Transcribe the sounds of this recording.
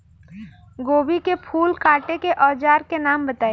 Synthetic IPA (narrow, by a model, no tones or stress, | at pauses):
ɡoːbikepʰuːlkaːʈekeʔɔːd͡ʒaːɾkenaːmbɐt̪aːe